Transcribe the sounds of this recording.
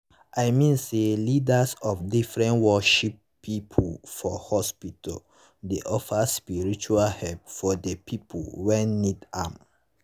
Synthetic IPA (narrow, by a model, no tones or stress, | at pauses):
ʔajmĩnselidasɔfdifɹɛ̃nwɔʃipː | ipʰofɔhɔspitɔ̰l | deʔɔfaspiɹit͡ʃualhɛlp̚fɔdəpʰipʰo̰wɛ̃nːidam